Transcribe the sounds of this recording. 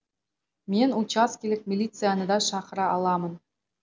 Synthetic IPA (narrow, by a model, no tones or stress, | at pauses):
mʲenʲut͡ɕɑskʲilʲɘ̆k̚ʲmʲilʲit̪sɨjɑnɤ̆d̪ɑʂɑχrɑɑlˠɑmɤ̆n